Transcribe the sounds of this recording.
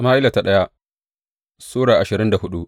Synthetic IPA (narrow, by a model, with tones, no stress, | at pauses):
maː˦ʔɪ˦la˨ta˨ɗɐ˦ja˦ | soː˦ɽaː˨ʔa˨ʃɪ˨ɾɪ˦nda˨hʊ˦ɗu˦ʔ